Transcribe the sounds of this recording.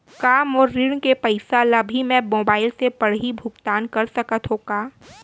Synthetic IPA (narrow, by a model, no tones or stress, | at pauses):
kaːmɔːɾːɪɽ̃kepɐɪsalɐbʱimɛ̃moːbaːɪlsepɐɽɦibʱʊkt̪aːnkɐɾsɐkət̪ɦoːkaː